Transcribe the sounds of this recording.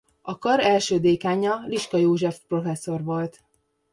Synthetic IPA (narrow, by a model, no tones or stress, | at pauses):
ɒkɒɾɛlʃøːd̪eːkaːɲɒliʃkɒjoːʒɛfpro̞fɛsːo̞rʋolt̪